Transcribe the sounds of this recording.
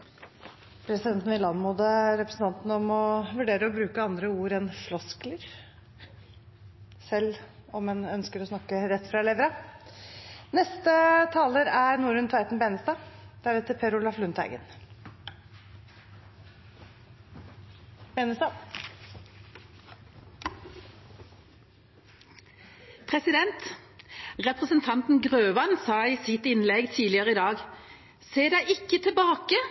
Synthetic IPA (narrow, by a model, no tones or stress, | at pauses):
pʰɾɛsɪd̪ɛnt̪n̩ʋɪlɑnmuːd̪əɾɛpɾəsn̩t̪ʰɑnt̪nəɔmɔʋʉɖeːɾəɔbɾʉːkəɑnd̪ɾəuːɾɛnflɔskləɾ | sɛlːɔmɛnœnskəɾɔsnɑkːəɾɛt̪ːfɾɑleːʋəɾɑ | nɛst̪ət̪ʰɑːləɾæɾnuːɾʉnt̪ʰæɪt̪n̩beːnəst̪ɑːd̪̥ɛæɖɛt̪ːəpʰɛɾʊlɑflʉnt̪ʰæ̰ɪɡə̰n | bɛːnəst̪ɑ | pʰʁɛsɪd̪ɛnt̪ | ʁɛpʁəsənt̪ʰɑnt̪nɡʁøːʋɑnsɑːiːsɪt̪ɪnlɛɡt̪ʰiːlɪəʁəɪd̪ɑːɡ | seːɖ̪æɪʔɪkːət̪ʰɪlbɑːkə